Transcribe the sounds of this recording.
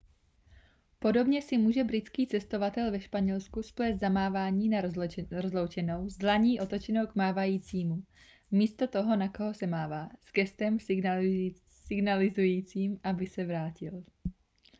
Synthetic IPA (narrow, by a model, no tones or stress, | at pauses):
po̞do̞bɲɛsɪmuːʒɛbɾɪt͡skiːt͡sɛst̪o̞vat̪ɛlvɛʃpaɲɛlskusplɛːst̪zamaːvaːɲiːnɾozlo̞wt͡ʃɛno̞wzlaɲiːʔo̞t̪o̞t͡ʃɛno̞wɡmaːvajiːt͡siːmu | miːst̪o̞t̪o̞ɦo̞nakoɦo̞sɛmaːvaːz̥ɡɛst̪ɛm | sɪɡnalɪzujiːt͡siːmʔabɪsɛvɾaːcɪl